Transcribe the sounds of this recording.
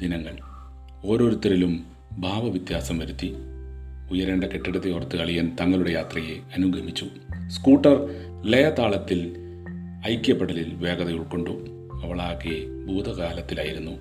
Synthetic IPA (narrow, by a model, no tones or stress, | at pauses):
d̪inɐŋːɐɭ | o̞ːɾo̞ːɾut̪ːɐɾilum | bʱaːʋɐʋit̪jaːsɐmʋɐɾut̪ːi | ujɐɾeɳɖeke̞ʈːiɽɐt̪ːiorɐt̪ːɨɐɭijɐnt̪ɐŋːɐɭuɽe̞jaːt̪rɐje̞ɐnuɡʱɐmit͡ɕːu | skuːʈːɐr | le̞jɐt̪ːaːɭɐt̪ːil | ɐjkʲjɐpːɐɽɐlilʋe̞ːɡɐðɐɣɐɭko̞ɳɖu | ɐʋɐɭaːkːe | bʱuːd̪ʱɐkaːlɐt̪ːilaːjiɾunːu